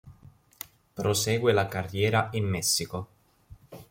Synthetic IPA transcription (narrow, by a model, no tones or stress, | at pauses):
pɾosɛːɡwelakarːjɛːɾaimːɛsːiko